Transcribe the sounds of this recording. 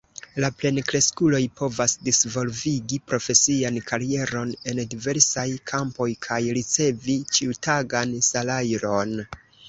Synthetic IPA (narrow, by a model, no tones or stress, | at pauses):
laple̞nkɾe̞skulo̞jpo̞vasdisvo̞lviɡipɾo̞fe̞siankʰaɾie̞ɾo̞ne̞ndive̞ɾsajkʰampo̞jkʰajɾit͡se̞vit͡ʃiutaɡansalajɾo̞n